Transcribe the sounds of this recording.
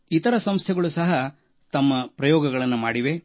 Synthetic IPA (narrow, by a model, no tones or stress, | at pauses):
it̪ɐɾɐsɐmst̪ʰjɛɡɐɭusɐɦɐ | t̪ɐmːɐpɾɐjɔːɡɐɡɐɭɐnːumaːɽiʋe̞